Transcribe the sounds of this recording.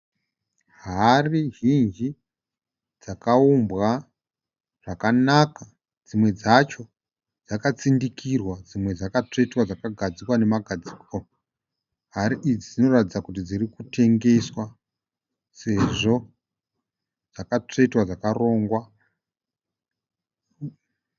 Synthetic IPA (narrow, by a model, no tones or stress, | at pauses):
ɦariɦind͡ʒi | d͡zakaumbɣa | ʐ̥akanaka | d͡zimwe̞d͡zat͡ʃo̞ | d͡zakat͡sindikirwad͡zimwe̞d͡zakat͡ʂe̞twad͡zakaɡʱad͡zikwane̞maɡʱad͡ziːko | ɦaɾiʔid͡zid͡zino̞ratid͡zakutid͡zirikute̞ŋɡe̞swa | se̞ʐo̞ | d͡zakat͡ʂe̞twad͡zakaro̞ːŋɡwa